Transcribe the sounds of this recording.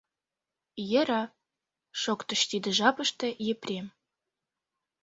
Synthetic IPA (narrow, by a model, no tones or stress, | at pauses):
jĕɾɑ | ʃokt̪ə̆ʃt̪id̪ĕʒɑpə̆ʃt̪ĕjeprʲem